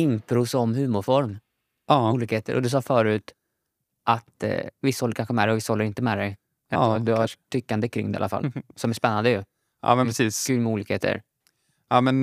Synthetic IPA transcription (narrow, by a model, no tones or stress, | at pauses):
ɪnpʰɾusɔmɦʉ̟ːmʊɾfɔɾm | ɑuːliːkheːt̪ʰə̰ɾʔɔ̰d̪ɛs̬ɑːfœːɾʉ̟ːt̪ | ʔat̪vɪshɔlːəɾkʰanɧəmɛd̪ɛjɔvɪshɔlːəɾɪnt̪əmɛd̪ɛj | ɛd̪ɵaʈ̪ʰːʏkːand̪əkʰɾɪ̰ŋːd̪ɛ̰a̰lːafa̰lsɔmæʂspɛnːand̪əjɵ | ʔɑ̰ːmɛnpɾɛsiːskʰʉːlmɛuːliːkheːt̪ʰə̰ɾ | ɑːmɛn